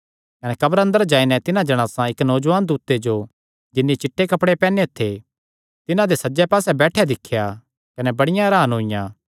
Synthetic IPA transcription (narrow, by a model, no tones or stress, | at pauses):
kɐnɛkɐbəɾɐ̃nd̪əɾd͡ʒaːinɛt̪ɪnãd͡ʒɐɽ̃aːsãɪknɔːd͡ʒʋaːnd̪uːt̪ːed͡ʒo | d͡ʒɪnːit͡ʃɪʈʰːekɐpɽepɛːnet̪ʰːe | t̪ɪnãd̪esɐd͡ʒɛpaːsɛbɛːʈʰed̪ɪkʰːja | kɐnɛbɐɽɪjãɾaːnɦoːɪjãː